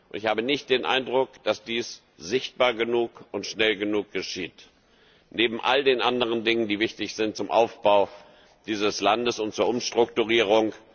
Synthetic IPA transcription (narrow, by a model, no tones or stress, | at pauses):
ʔʊntɪçhaːbənɪçt̚d̥eːnʔa̰ɪndʁʊkd̥asd̥iːs | z̥ɪçt̚b̥aːɐɡənuːkʔʊntʃnɛlɡənuːk̚ɡ̥əʃiːt | neːbm̩ʔaldeːnʔandəʁ̞əndɪŋəndiːvɪçtɪçz̥ɪnt̚t͡sʊmʔa̰ʊfb̥aʊ | d̥iːzəslandəsʊntt͡suːɐʔʊmʃtʁ̥ʊktuʁiːʁ̞ʊŋ